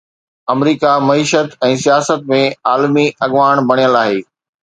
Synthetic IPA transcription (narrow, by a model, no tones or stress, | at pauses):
ɐmɾiːkamɐiːʃət̪ɛ̃ːsijaːsət̪̚mẽaːlmiʔɐɠʋaːɽ̃bɐɽ̃ijəlaːɦeː